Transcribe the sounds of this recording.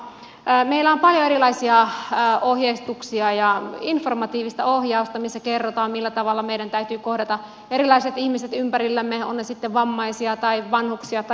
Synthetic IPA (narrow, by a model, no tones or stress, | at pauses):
meilːˑæompɑljoeɾilɑisiɑohjeist̪uksiɑjɑinformɑt̪iːʋist̪ɑohjɑust̪ɑmisːækerːot̪ɑːmmilːæt̪ɑʋɑlːɑmeiɾænt̪æyt̪yːkohdɑt̪ɑ | eɾilɑiset̪ihmiset̪ympæɾilːæmːeonːesit̪ːeʋʋɑmːɑisiɑt̪ɑiʋɑnhuksiɑt̪ɑ